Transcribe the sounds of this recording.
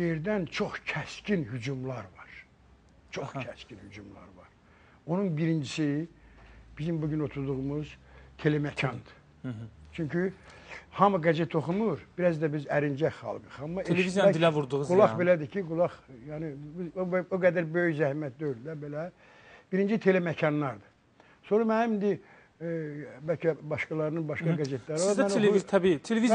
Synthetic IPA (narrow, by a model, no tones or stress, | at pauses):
jeɾd̪ænt͡ʃʰo̞χcʰæscinhyd͡ʒumlˠɑɾvɑɾ̥ | t͡ʃʰoχcʰæscʰinhyd͡ʒumlˠɑ̰ɾvɑ̰ɾ | o̞nunbiɾind͡ʒisi | b̥izimbuɟynot̪ʰud̪uʁumuz̥t̪ʰelemæcʰɑnd̪ɯ̥ | t͡ʃʰyɲcʰy | hɑmuɡæzet̪ʰo̞χumuɾbiɾæzd̪æbizæɾind͡ʒæχɑ̰lˠɡɯχɑmːɑeliizæilævuɾd̪uʁzɡulˠɑχbe̞læd̪icʰiɡulˠɑχjɑnibioɡæd̪æɾbøjyçzæhmæt̪̚d̪øyld̪æbelæ | b̥iɾind͡ʒit̪ʰe̞le̞mæcʰɑnːɑɾd̪ɯ̥ | so̞nɾɑmænæmind̪i | bælcʰæbɑʃkɑlˠɑɾɯnɯnbɑʃkɑɡæze̞t̪ʰlæɾiænt̪ʰbit̪ʰelevi